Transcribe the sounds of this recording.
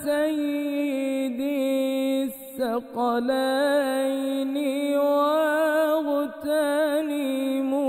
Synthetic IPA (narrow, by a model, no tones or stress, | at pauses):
sajːɪd̪i | sːaqɑlajniwaɣʊt̪aːnimu